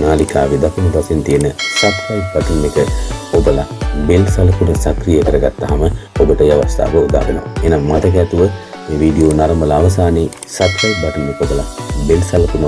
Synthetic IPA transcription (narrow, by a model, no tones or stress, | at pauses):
naːlikaːʋid̪akunupasent̪ijənəsat̪kajp̚baʈ̪inːekəobəlabelsalɐkunəsakrijəkəɾəɡat̪ːaɦaməobəʈəaʋast̪a̰ːʋəud̪a̰ːʋḛno̰enaŋmat̪ək̬ɛt̪uʋə | eːʋiːɖijoːnaɾɐmbəlaːʋɐs̬aːneː | sat̪kajpbaʈ̪inːekob̪əlabelsalɐkunə